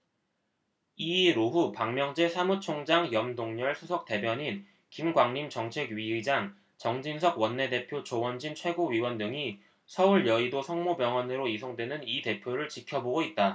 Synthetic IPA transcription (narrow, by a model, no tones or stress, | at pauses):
iɾoɸupaŋmjʌŋd͡ʑe̞sʰamut͡ɕʰoŋd͡ʑaŋjʌmdoŋɲʌɭsʰusʰʌk̚t͈e̞bjʌɲin | kimɡwaŋɲimt͡ɕʌŋt͡ɕʰe̞ɡɥiɯd͡ʑaŋ | t͡ɕʌŋd͡ʑinsʰʌɡwʌnːe̞de̞pʰjot͡ɕowʌnd͡ʑint͡ɕʰwe̞ɡoɥiwʌndɯŋi | sʰʌuɭjʌidosʰʌŋmobjʌŋwʌnɯɾoisʰoŋdwe̞nɯnite̞pʰjoɾɯɭt͡ɕikʰjʌboɡoit̚t͈a